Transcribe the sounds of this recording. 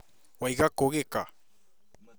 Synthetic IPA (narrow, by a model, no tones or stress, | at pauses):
wajɡakoɣeka